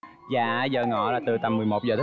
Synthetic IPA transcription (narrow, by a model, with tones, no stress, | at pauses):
zaː˨˧˩zəː˧˩ŋɔ̰˧˨laː˨˩t̪ɨ˨˩t̪a˧mːɨ˨˩əjmo˨˩t̚zəː˨˩t̪ə˦